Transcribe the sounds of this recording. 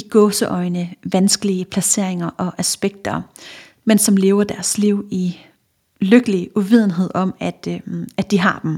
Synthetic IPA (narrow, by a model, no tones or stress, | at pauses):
iɡ̥ɔ̽ːsəʔɒɪnəʋænsɡ̥əliəpʰlæse̝̰ɐ̰e̝ŋɐʔɒ̽ʔæsb̥eɡ̥̚d̥ɐ | mensɒ̽mle̝ːʊɐd̥æɐsliʊ̰i | løɡ̥əliəʔuʋið̞̰ˠn̩ɦe̝ð̞̰ˠɒ̽mæd̥æ̥d̥iɦɑ̈d̥em̩